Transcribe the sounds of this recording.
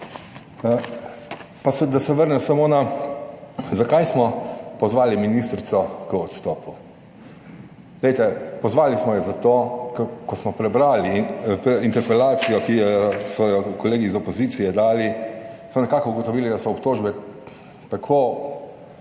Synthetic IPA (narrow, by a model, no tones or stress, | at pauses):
pasɛd̪asɛʋəɾnɛsamona | zakajsmɔpɔzʋaːliminist̪ɾit̪sɔkəɔt̪st̪ɔːpu | lejt̪ɛpɔzʋaːlismɔjɛzat̪oːkkɔsmɔpɾɛbɾaːlipint̪ɛɾpɛlaːt̪sijɔkijɛsɔjɔkɔleːɡiːzɔpɔzit̪sijɛd̪aːlismɔnɛkakɔuɡɔt̪ɔʋiːlid̪asɔɔpt̪oːʒbɛ | t̪akʰoː